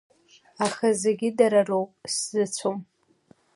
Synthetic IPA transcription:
aχazeɡʲɪdaɾarowpʼszɨt͡sʷʰom

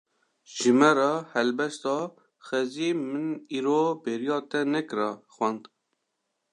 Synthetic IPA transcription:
ʒ̥ɨmɛɾɑhɛlbɛst̪ɑː | xɛzimɨniːɾoːbeːɾijɑːt̪ɛnɛkɨɾɑxwænd̪

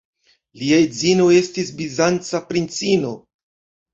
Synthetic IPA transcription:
liajd͡zinoe̞stisbizant͡sapɾint͡sino̞

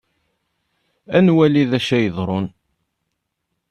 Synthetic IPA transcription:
ænwæliðæʃæjəðˤɾˤʊn

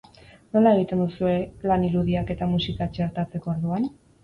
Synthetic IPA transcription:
no̞lae̞ɣ̞it̪e̞nd̪usue̞laniɾuðiake̞t̪amusikat͡ʃe̞ɾt̪at͡se̞kooɾðuan

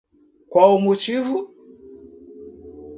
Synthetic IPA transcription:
kwaumut͡ʃivu

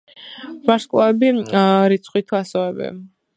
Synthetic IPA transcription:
vaɾskʼɔɛbiɾit̪sʰχwit̪ʰuasɔɛbɛ̰

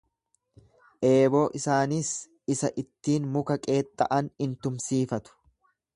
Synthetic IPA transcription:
ʔe̞ːbo̞ːʔɪsaːnis | ɪsɐʔɪt̪ːiːnmʊkɐkʼe̞ːt̪ʼːɐʔɐnɪnt̪ʊmsiːfɐt̪ʊ̥

